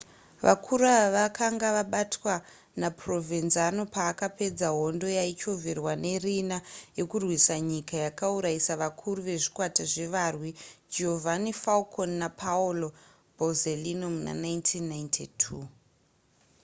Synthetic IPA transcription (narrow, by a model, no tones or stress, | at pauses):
ʋa̰kʰuɾaʋakʰaŋɡaʋaɓatwa | napro̞vinzano̞paːkape̞d͡zaɦo̞ndo̞jait͡ʃo̞virwane̞rinaje̞kurwisaɲikajakauɾaisaʋakʰuɾuʋe̞ʐikwataʐe̞ʋarwid͡ʒeɦovʱanifalkʰonːapʰaulo | bʱozelinomuna̰najntʰinːajntʰitʰuː